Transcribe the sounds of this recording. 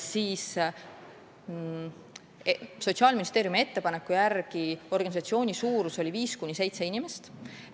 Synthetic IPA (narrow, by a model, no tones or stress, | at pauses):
siːs | so̞t̪ʲsiɑːlminist̪e̞ːɾjumie̞t̪ːe̞pɑne̞kːˑujærɡ̥io̞rɡ̥ɑnʲisɑt̪sio̞ːnʲisuːɾuso̞lʲiviːskunʲːise̞jt̪se̞inʲimest̪